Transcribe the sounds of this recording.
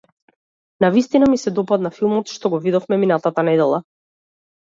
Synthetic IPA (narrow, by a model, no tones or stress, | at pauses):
navist̪inamisɛd̪ɔpad̪nafilˠmɔt̪ʃt̪ɔɡɔvid̪ɔfmɛminat̪at̪anɛd̪ɛlˠa